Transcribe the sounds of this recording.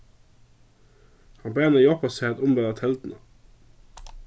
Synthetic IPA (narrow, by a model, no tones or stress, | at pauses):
hɑmbæːnəjɔpɑseːt̪ʊmbed̪ɑt̪ʰɛld̪n̩ə